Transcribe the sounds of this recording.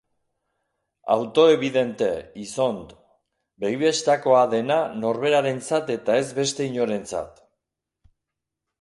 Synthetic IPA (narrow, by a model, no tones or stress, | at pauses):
a̰wt̪o̞e̞β̞iðe̞nt̪e̞iso̞nd̪ | bejβest̪ako̞aðe̞nano̞ɾβe̞ɾaɾe̞nt͡sat̪e̞t̪ae̞zβe̞st̪e̞iɲo̞ɾe̞nt͡sa̰t̪